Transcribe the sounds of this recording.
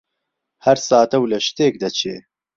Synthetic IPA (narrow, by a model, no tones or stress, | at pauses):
hɐɾsaːt̪ɐwlɐʃt̪eːk̚d̪ɐt͡ʃʰeː